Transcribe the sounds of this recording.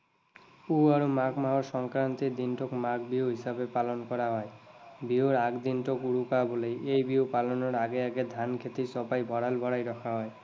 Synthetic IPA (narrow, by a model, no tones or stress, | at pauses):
puaɾomakmaɦoɾʃɔŋkɾant̪id̪inʈokmakʰbiuɦisabepalonkɔɾaɦɔe | bioɾaɡd̪inʈokuɽukabolejʔejbiwpalonoɾaɡeaɡed̪ʱankʰet̪isɔpajbʱɔɽalbʱɔɽajɾɔkʰaɦɔe